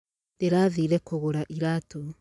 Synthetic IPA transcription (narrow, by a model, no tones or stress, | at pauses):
deɾaːðiɾɛkoɣoɾaʔiɾato